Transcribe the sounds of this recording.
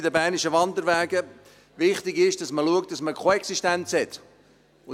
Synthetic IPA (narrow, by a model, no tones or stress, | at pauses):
dəbæːɾniʃəʋɑnd̪əɾvæːɡə | ʋɪχtɪɡɪʃd̥ɑsməluəkt̚d̥ɑsməkʰoɛksiʃtænt͡shɛt̪ | ʊ